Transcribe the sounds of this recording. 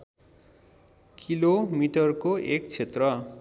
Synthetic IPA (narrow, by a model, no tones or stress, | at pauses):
kʰilomiʈʌrkoʔekt͡sʰet̪rʌ